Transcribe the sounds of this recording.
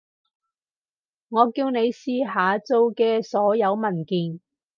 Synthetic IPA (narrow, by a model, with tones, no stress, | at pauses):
ŋɔː˨˧kiː˧wne˨˧jsiː˧ɦaː˨˧t͡so˧wkɛː˧sɔː˨˥jɐ˨˧wmɐ˨˩nkiː˨n